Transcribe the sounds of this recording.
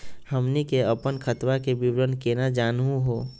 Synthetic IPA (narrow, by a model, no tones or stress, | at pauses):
həmnikeəpənkʰət̪wakebɪwɾənkenad͡ʒaːnɦũɦoː